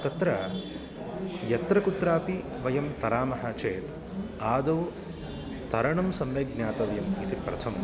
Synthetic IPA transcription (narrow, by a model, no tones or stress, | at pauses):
t̪ɐt̪ɾɐ | jɐt̪ɾɐkut̪ɾaːpi | ʋɐjɐmt̪ɐɾaːmɐɦɐt͡ʃeːt̪ | aːd̪ɐʋ | t̪ɐɾɐɳɐmsɐmʋeːɡ̚njaːt̪ɐʋjɐmit̪ipɾɐ̰t̪ʰɐmɐ